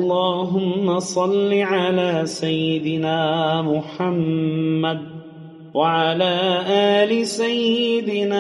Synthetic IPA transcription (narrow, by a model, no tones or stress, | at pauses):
ʔlˤːɑːɦʊmːasˤɑlːiʕalaːsajːɪd̪ɪnaːmʊħamːad̪̚ | waʕalaːʔaːlɪsajːɪd̪ɪna